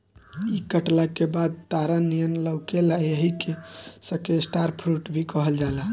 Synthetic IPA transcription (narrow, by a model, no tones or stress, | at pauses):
ikəʈlakebad̪̚t̪aɾanijənləwkelajəɦikesəkesʈaɾpʰɾuʈbʱikɔɦəld͡ʒala